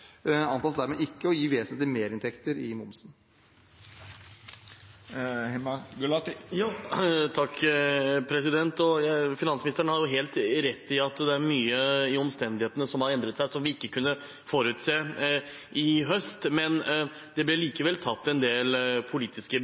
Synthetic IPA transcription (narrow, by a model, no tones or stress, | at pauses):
ɑnt̪ɑːsd̪æɾmeʔɪkːəɔjiːʋeːsnet̪lɪmeːɾɪnt̪ʰɛkt̪əɾɪmʊmsn | hɛmɑɡʉlɑt̪ɪjɑːt̪ʰɑkː | pʰɾɛsɪd̪ɛnt̪ɔjæfɪnɑnsmɪnɪst̪ɾəɳəhɑɾjʊɦeːlt̪ɾɛt̪ːɪɑt̪d̪ɛæɾmyːəɪɔmst̪ɛnd̪ɪheːt̪ənəsɔmhɑɾɛnd̪ɾət̪sæɪsɔmʋɪɪkːəkʰʉnːə | fɔɾʉːt̪seː | ʔɪɦœst̪mɛn | d̪̥ɛblɛliːkəʋɛlt̪ʰɑt̪ːɛnd̪eːlpʰʊliːt̪ɪskə